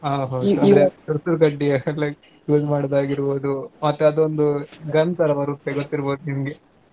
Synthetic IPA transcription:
aɦɐuɐd̪d̪etɐɾsuɾkɐɖːiɐɐlle | kuːd͡ʒmaːɽd̪aːɡiɾboːd̪umɐt̪ːeɐd̪uond̪uɡɐnt̪ɐɾɐbɐɾut̪ːeɡot̪ːiɾboːd̪uɦimɡe

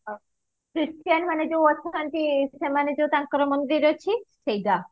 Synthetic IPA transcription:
kɾisʈijanmaned͡ʑewat͡ɕʰːekanʈiʃemaned͡ʑowt̪aŋkɔɾomond̪ɾiɾot͡ɕʰiʃejda

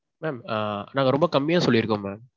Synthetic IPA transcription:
meːmanaːŋɡɐɾɔmbɐkɐmːɪjaːsɔlːɪɾɯkːɯ̃mːeːm

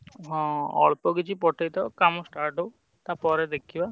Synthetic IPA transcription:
ɦɔ̃ɔ̰ɭpɔɡit͡ʃʰipɔʈʰajt̪ɔkamɔsʈaɾʈo | t̪apɔɾɛd̪ekʰiba

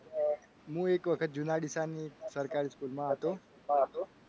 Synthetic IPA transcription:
ɦũekʋəkʰət̪̚d͡ʒunaɖisanisəɾkaɾiskulmãɦət̪oulmãɦət̪o

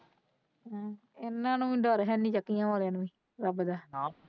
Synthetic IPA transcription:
ɪnːãːnũːɖɔːɾɦɛːnĩːt͡ʃəkːijãːʋaːleãːnʋĩː | ɾəbd̪aː

